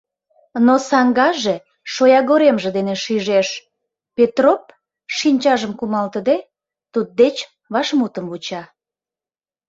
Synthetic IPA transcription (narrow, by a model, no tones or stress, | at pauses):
nosɑŋɡɑʒe̽ | ʃojɑɣoɾemʒĕd̪eneʃiʒeʃ | pet̪rop̚ | ʃinʲt͡ɕɑʒəmkumɑlt̪əd̪e | t̪ud̪̚d̪et͡ɕ | βɑʃmut̪əmβut͡ɕɑ